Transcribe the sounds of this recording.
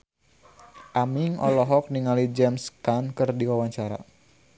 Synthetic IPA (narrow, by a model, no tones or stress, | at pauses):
ʔamiŋɔlɔɦɔk̚niŋalid͡ʒɛmskankɨrdiwawaɲt͡ʃaɾa̰